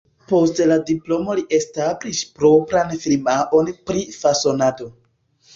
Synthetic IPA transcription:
po̞stladiplo̞mo̞liʔe̞stablispɾo̞pɾanfilmaʔo̞npɾifaso̞nado̞

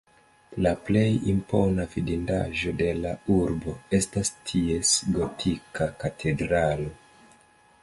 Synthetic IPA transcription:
laple̞jimpo̞navidinda̰ʒo̞de̞lauɾbo̞e̞stastʰie̞sɡo̞tʰikakatʰe̞dɾalo̞

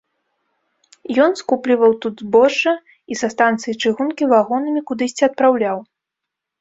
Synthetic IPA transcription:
jɔnskuplʲivɐwt̪ud̪zbɔʂɐ | isɐst̪ant̪sɨjit͡ʂɨɣunkʲivaɣɔnɨmʲikud̪ɨsʲt͡sʲiɐt̪̚pɾawlʲaw

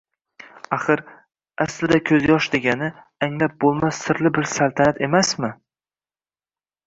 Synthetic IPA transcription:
aχɨɾ | aslɪd̪akʲʰɵzjɒʃd̪e̞ɡʲanɪ | aŋlap̚bolˠmasːɪɾlɪbɪɾsalˠt̪ʰanat̪ʰe̞masmɪ

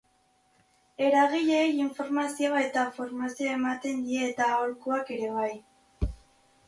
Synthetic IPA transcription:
e̞ɾaɣiʎeːjiɱfo̞ɾmasioae̞t̪afo̞ɾmasioe̞mat̪e̞nd̪ie̞ːt̪aolkuake̞ɾe̞β̞aj

